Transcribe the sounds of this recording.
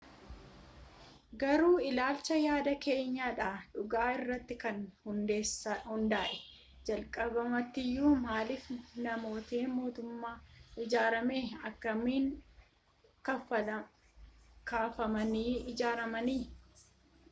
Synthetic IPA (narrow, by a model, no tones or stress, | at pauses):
ɡɐɾuːɪlaːlt͡ʃɐjaːd̪ɐke̞ːɲːaːᶑaːᶑʊɡaːɪrːɐt̪ːɪkɐnhʊnd̪eːsɐhʊnd̪aːʔɛ | d͡ʒɐlkʼɐbɐmɐt̪ːɪjːuːmaːlɪfnɐmo̞ːt̪eːmo̞ːt̪ʊmːaːɪd͡ʒaːɾɐmeːɐkːɐmiːŋ | kɐ | kaːfɐmɐniːɪd͡ʒaːɾɐmɐniː